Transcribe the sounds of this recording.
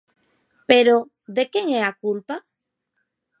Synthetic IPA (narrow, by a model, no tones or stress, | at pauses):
peɾo | ðekeŋeakulpa